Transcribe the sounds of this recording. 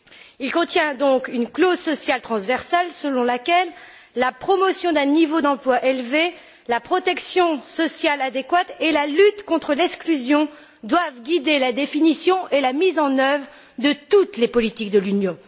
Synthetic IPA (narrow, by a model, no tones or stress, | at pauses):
ilkɔ̃t̪jɛ̃d̪ɔ̃kynklozsɔsjalt̪χɑ̃svɛʁsalsəlɔ̃lakʲɛlː | apχɔmɔsjɔ̃d̪ɛ̃nivod̪ɑ̃plwaʔelve | lapχɔt̪ɛksjɔ̃sɔsjalad̪ekwat̪elalyt̪kɔ̃t̪χəlɛksklyzjɔ̃ | d̪wavɡʲid̪elad̪efinisjɔ̃ʔelamizɑ̃nœvʁ | d̪ət̪ut̪lepɔlit̪ik̚d̪əlynjɔ̃